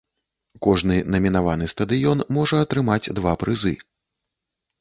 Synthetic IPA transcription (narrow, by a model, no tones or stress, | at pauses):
kɔʐnɨnɐmʲinavanɨst̪ɐd̪ɨjɔnmɔʐɐɐt̪ɾɨmad͡zʲd̪vapɾʔɨzɨ̰